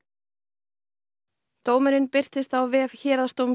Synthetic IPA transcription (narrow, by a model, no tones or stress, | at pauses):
t̪oːwmɛɾɪnpɪr̥t̪ɪst̪awvɛːvçɛːɾðast̪owm